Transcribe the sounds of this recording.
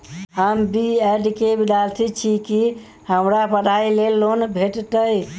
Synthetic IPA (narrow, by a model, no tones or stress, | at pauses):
ɦəmbiɛɖkebid̪alt̪ʰit͡ʃʰiki | həmɾapədʱailelːonbʱeʈt̪əj